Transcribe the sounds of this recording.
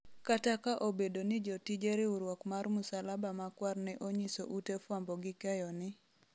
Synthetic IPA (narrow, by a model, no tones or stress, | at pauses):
katakaʔobedonɪd͡ʒotid͡ʒeɾɪuɾwɔkmarmʊsalabamakwarnɛʔoɲiso̰ʔutefwambɔɡɪkɛjɔnɪ